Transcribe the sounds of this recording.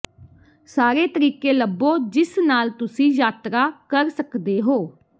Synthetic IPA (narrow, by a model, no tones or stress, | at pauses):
saːɾeːt̪əɾiːkeːləbːoːd͡ʒɪsnaːlt̪ʊsĩːjaːt̪ɾaːkəɾsəkd̪eːɦoː